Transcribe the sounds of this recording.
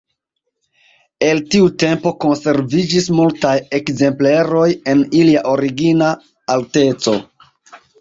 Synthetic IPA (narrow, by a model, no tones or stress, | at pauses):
e̞ltiute̞mpo̞ko̞nse̞ɾvid͡ʒismultaje̞kze̞mpleɾo̞je̞niliaʔo̞ɾiɡinaː | lte̞t͡so̞